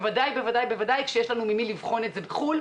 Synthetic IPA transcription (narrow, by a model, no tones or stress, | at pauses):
vadajbe̞vadajbe̞vadajkʃejeʃlanumimilivχo̞netzebeχul